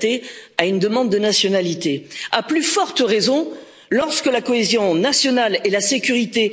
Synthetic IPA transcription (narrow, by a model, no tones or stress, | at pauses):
t̪eaynd̪əmɑ̃d̪ːənasjɔnalit̪eaplyfɔʁt̪əʁezɔ̃ | lɔʁskəlakɔezjɔ̃nasjɔnalelasekʲyʁit̪e